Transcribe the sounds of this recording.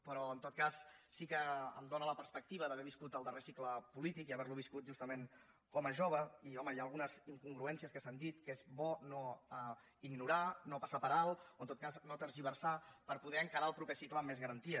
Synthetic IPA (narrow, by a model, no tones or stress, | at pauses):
pəɾɔənt̪ot̪̚kasːikəə̰md̪onələpəɾspək̚t̪iβəðəβɛɾβiskut̪əlˠd̪əresikləpulit̪ikiəβɛɾluβiskut̪̚ʒust̪əmen | kɔməʒoβ̞əiɔməiaəlˠɣunəziŋkuŋɡɾuɛnsiəskəsand̪it̪kezbɔnoə | iɡnuɾanopəsapəɾalˠoənt̪ot̪kaznot̪əɾʒiβərsapəɾpuðɛəŋkəɾaəlˠpɾupɛsikləːmːezɣəɾənt̪iə